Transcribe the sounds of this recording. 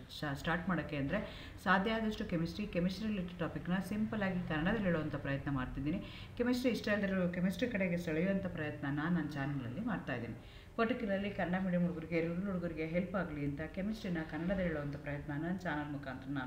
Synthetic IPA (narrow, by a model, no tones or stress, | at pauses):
asʈaːɾʈmaːɽɐkːeɐnd̪ɐɾe̞ | saːd̪ʱjaːd̪ɐʂʈukemisʈɾikemisʈɾiliʈʈaːpikːnɐsimpɐlaːɡikɐnːɐɽɐd̪ɐlːiɭoːʋɐnt̪ʰɐpɾɐjɐt̪nɐmaːɽt̪id̪iːni | kemisʈɾiːʂʈɐld̪ɐɾukemisʈɾikɐɽeɡesɐɭɐjuʋɐnt̪ʰɐpɾɐjɐt̪nɐnanːaːnt͡ʃaːnɐŋɡɐɭɐ̰lːimaːɖt̪aːjid̪ḭːni | poʈikiɾɐlːikɐnɐɽɐmiɽemuɽuɡuɾiɡeɾɡɐɾuluɽuɡuɾiɡe̞ɦelpaːɡɐliɐnt̪ɐke̞misʈɾinɐkɐnːɐɽɐd̪ɐlːiːɭoʋɐnt̪ʰɐpɾɐjɐt̪nɐnaːnt͡ʃaːnɐlmukʰaːnt̪ɾɐnaːnu